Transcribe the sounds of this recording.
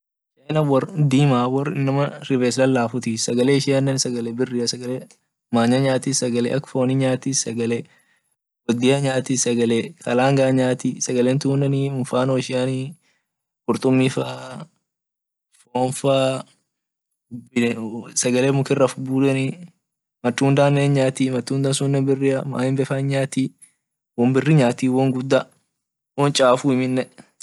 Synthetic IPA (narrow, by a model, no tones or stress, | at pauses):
ʃeːnɐwɔrd̪iːmaːwɔrɪ̰nːɐmɐɾɪveːslɐlːaːfʊt̪ɪsɐɡɐleːɪʃɪjɐnːɐnsɐɡɐlɛbɪrːɪɐsɐɡɐle | maːɲaɲaːt̪iːssɐɡɐlɛ̰ʔɐkfoːniɲaːt̪isɐɡɐle | wɔd̪ɪɐɲaːt̪isɐɡɐlekʰɐlaːŋɡaːɲaːt̪isɐɡɐleːnt̪uːnːɐniʊfaːnoːʃɪjaːni | kʊɾt̪ʼʊmːɪfa | foːnfaː | ʊbɪsɐɡɐleːmʊkɪrːɐfʊbuːd̪ɐni | mɐt̪ːuːnd̪aːnːeːnɲaːt̪iːmɐt̪ːuːnd̪ɐnsʊnːɛbɪrːɪɐma̰ːhɪmbɛfɐɪɲɲaːt̪iː | wɔmbɪrːiɲaːt̪iːwɔŋɡʊd̪ːɐ | wɔnt͡ʃʼaːfuːɪmɪnːɛ